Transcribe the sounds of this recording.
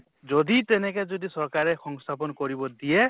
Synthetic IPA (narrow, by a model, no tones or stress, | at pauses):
d͡ʒɔd̪it̪ɛnɛkɛd͡ʒɔd̪isɔɾkaɾexɔŋst̪ʰapɔnkɔɾibɔd̪ie